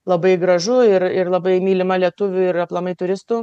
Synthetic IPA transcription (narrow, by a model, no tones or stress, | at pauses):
lˠɐbɐɪɡɾɐʒʊɪrɪrlˠɐbɐɪmʲiːlʲɪmɐlʲiɛt̪ʊʋʲʊɪɾɐplˠɐmɐɪt̪ʊɾʲɪst̪uː